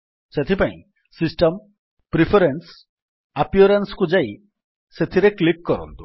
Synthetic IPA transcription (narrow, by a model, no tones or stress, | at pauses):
set̪ʰipaḭ̃ | sisʈɔm | pɾipʰeɾens | apjoɾenskud͡ʒaj | set̪ʰiɾeklikːɔɾɔ̰nt̪u̥